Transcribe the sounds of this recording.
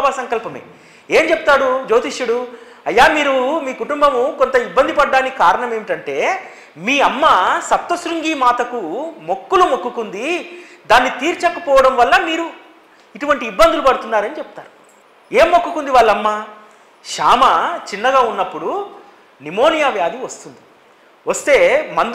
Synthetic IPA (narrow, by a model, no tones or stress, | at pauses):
baːsɐŋkɐlpɐmḛː | eːmt͡ʃepu̥t̪aːɾud͡ʒo̞ːt̪iʂjuɽu | ɐjːaːmiːɾumiːkuʈumbɐmukont̪ɐibːɐnd̪ipɐɖːaːnikaːɾɐɳɐmeːʋiʈɐɳʈe̞ː | miːɐmːasɐp̚t̪ɐsɾuŋɡiːmaːt̪ɐkumo̞kːulumokːukund̪id̪aːnːit̪iːɾt͡ʃɐkːɐpɔːʋɐɽɐmʋɐlːɐmiːɾu | iʈuʋɐɳʈiːbːɐnd̪ulupɐɽut̪unːaːɾɐnit͡ʃɛput̪aːɾu | eːmːokːukund̪iʋaːlːɐmːaː | ʃaːmɐt͡ʃinːɐɡaːunːɐpːuɽu | nimo̞ːnijaːʋjaːd̪iʋɐst̪und̪i | ʋɐst̪e̞ːmɐnd̪